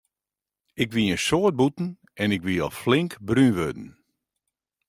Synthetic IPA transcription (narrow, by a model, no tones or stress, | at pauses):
ɪkʋijənsoət̚butn̩ | ɛnɪkʋiɔflɪŋkbrynʋødn̩